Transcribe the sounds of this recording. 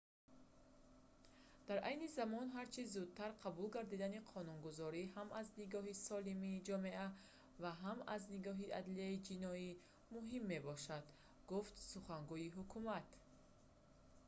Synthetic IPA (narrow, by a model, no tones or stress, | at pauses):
d̪̥aɾʔajnizamɔnɦaɾt͡ʃʰizud̪̚t̪ʰaɾqʰabulɡaɾd̪id̪aniqʰɔnunɡuzɔɾiɦamazniɡɔɦisɔlimiːd͡ʒɔme̞ʔa | vaɦama̰zniɡɔɦiʔa̰d̪liaid͡ʒinɔi | muɦimːe̞bɔʃad̪ | ɡuft̪suχaŋɡuiɦukʰumat̪